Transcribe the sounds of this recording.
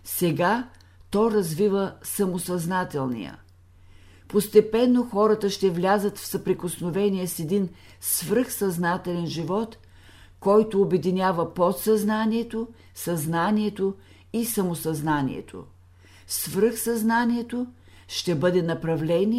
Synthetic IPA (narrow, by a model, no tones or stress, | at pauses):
sɛɡa | t̪ɔjɾɐzvivəsɐmosɐznat̪ɛlˠnḭjə̰ | post̪ɛpɛnːoxɔɾət̪əʃt̪ɛvlʲazət̪fsɐpɾikosnovɛnijɛsɛd̪in | svɾɤxsɐznat̪ɛlɛnʒivɔt̪ | kɔjt̪oːbɛd̪inʲjavəpot̪sɐznaniɛt̪o | sɐznaniɛt̪o | isɐmosɐznanḭɛ̰t̪ʰo̰ | svɾɤxsɐznaniɛt̪o | ʃt̪ɛbɤd̪ɛnɐpɾɐvlɛni